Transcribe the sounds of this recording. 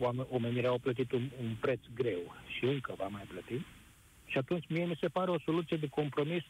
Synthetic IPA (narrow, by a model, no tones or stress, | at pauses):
amomeniɾeawplət̪̬it̪ununpɾe̞t̪sɡɾe̞wʃiɨŋkəvamajplət̪i | ʃiat̪unt͡ʃʲmie̞mise̞paɾeo̞so̞lut̪sijed̪e̞ko̞mpɾo̞mis